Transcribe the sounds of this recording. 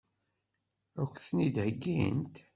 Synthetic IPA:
ækʷːθnid̪həɡːḭnt̪

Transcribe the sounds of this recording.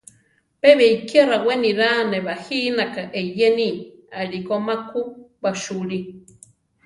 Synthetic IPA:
peβeikeraweniɾaneβahiːnakaʔeijeniaɺikomakubaʃuɺi

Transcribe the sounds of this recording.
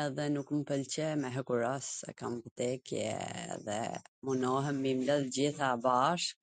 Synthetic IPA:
ɛðɛnukməpəlt͡ɕɛmɛɦɛkuɾɔsɛ̰kamvt̪ɛkjɛ̰ðɛ̰munɔɦəmːimləld͡ʑiθabaʃk

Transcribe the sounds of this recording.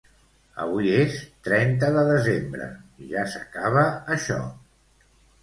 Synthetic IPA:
ə̰βuiest̪ɾɛnt̪əðəðəzembɾə̰ʒasəkaβəːʃɔ̰

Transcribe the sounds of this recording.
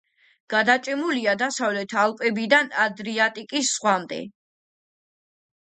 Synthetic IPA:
ɡ̥ad̪at͡ʃʼɛmuliad̪asavlɛt̪ʰalˠkʼɛbid̪anad̪ɾiat̪ʼikʼisːχwamd̪ɛ̰

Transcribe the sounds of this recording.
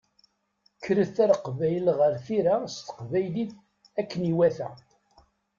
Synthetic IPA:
kʰːɾəθæɾqvæjlʁəɾθiɾast̪ə̥qvæjliθ | ækːəniwæθæ

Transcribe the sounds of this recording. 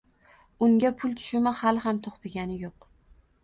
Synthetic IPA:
ʊŋʲapʰʊlˠt̪ʰʊ̥ʃɪmahalˠhamt̪ʰoχt̪ʰɪɡʲanɪjoq

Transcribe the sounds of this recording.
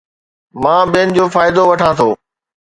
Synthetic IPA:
mãːɓiənɪ̆d͡ʑoːfaːɪd̪oʋɐʈʰãːt̪ʰoː

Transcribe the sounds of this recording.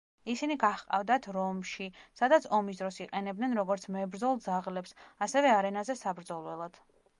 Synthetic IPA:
isiniɡaχqʼavd̪at̪ʰɾɔmʃisad̪at̪sʰɔmis̬d̪ɾɔsiqʼɛnɛb̚d̪nɛnɾɔɡɔɾt̪sʰmɛbɾd̪zɔlˠd̪zaʁlɛpsasɛvɛaɾɛnazɛsabɾd̪zɔlˠwɛlˠad̪̥

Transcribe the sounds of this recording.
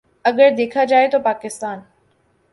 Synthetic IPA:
ɐɡəɾd̪eːkʰad͡ʒaːet̪opaːkɪst̪aːn

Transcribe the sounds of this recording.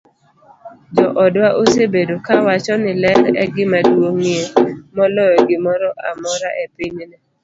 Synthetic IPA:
d͡ʒɔʔɔdwaʔosebedokawat͡ʃɔnɪlɛɾɛ̰ɡɪmadwoŋiemɔlɔjɔɡɪmɔɾɔʔa̰mɔɾaʔepiɲnɛ

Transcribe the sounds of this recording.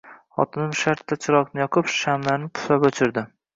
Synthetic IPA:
χɒ̰t̪ʰɪnɪmʃaɾt̪ːat͡ʃʰɪɾɒknɪjɒqʰɨpʃamlaɾnɪpʰʊ̥sapɵt͡ʃʰɪɾd̪ɪ

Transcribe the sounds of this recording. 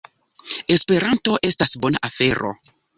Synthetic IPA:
espe̞ɾanto̞ʔe̞stasbo̞naʔafe̞ɾo̞̰

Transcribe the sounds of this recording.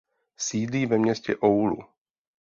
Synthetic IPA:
siːdliːvɛmɲɛscɛʔowlṵ

